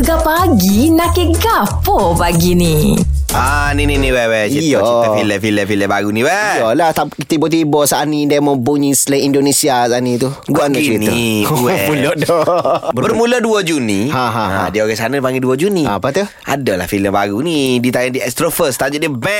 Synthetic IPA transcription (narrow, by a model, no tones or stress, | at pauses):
əɡapaɡinakeɡapɔpaɡinianininiwɛwɛt͡ʃjɔiafiləfiləfiləbaɡunĩwɛjɔlaht̪a | t̪ibɔt̪̬ibɔsanidamɔbuɲisləindonesiasanit̪u | ɡuanat͡ʃɾiniwɛulɔdɔbəbərmuləduəd͡ʒunihãɦãaã̰dioɣɛsanəpaŋɡiduəd͡ʒunia̰pat̪u | a̰dəla̰hfiləmbaɡunidit̪ajandiɛst̪ɾofəst̪ad͡ʒədəbɛ